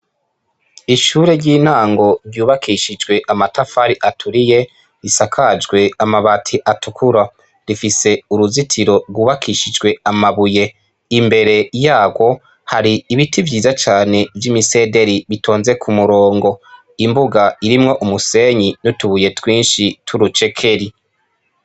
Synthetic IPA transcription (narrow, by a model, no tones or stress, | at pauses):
iʃuːɾe̞ɾɟiːn̥aːŋɡo̞ɾɟuːβakʰiʃid͡ʒɡwe̞ʔamatafaɾiʔatʰuɾije̞ | ɾisakʰad͡ʒɡwe̞amaβatʰiʔatukʰuɾa | ɾifise̞uɾuzitʰiɾo̞ɾɡwuːβakʰiʃid͡ʒɡwe̞amaβuje̞ | imbe̞ɾe̞jaːɡwo̞ | haɾiːβitʰivjiːzat͡ʃaːne̞vjimise̞ːde̞ɾiβitʰo̞ːnze̞kʰumuɾoːŋɡo̞ | imbuɡaiɾimŋo̞ʔumuse̞ɲinutuβuje̞twiːnʃitʰuɾut͡ʃe̞kʰe̞ɾi